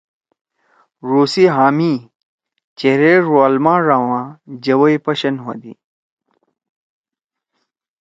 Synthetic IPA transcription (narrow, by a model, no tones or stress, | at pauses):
ɾuːsiɦaːmi | t͡ɕeɾeɾoɐlmãːɾaːwãːd͡ʑɐwɐjpɐɕɐnɦod̪ḭ